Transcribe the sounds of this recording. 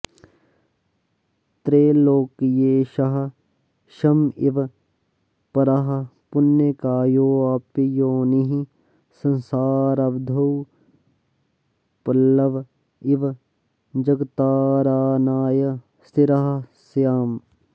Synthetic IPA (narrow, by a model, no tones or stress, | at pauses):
t̪ɾeːloːkjeːʃɐɦɐ̆ | ʃɐmiʋ | pɐɾaɦɐpʊnjɐkaːjoːaːpijoːniɦi | sɐ̃nsaːɾɐbd̪ʱɐw | pɐlːɐʋ | iʋ | d͡ʒɐɡt̪aːɾaːnaːjɐ | st̪ʰiɾɐɦɐsjaːm